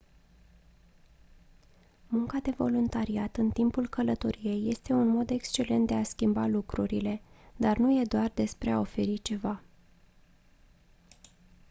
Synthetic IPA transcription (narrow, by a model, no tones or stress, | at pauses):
muŋkad̪e̞vo̞lunt̪aɾiat̪ɨnt̪impulkələt̪o̞ɾije̞jːe̞st̪e̞unmo̞d̪e̞kst͡ʃe̞le̞nt̪d̪easkʲimbalukɾuɾile̞d̪arnuje̞d̪oard̪e̞spɾe̞ao̞fe̞ɾit͡ʃe̞va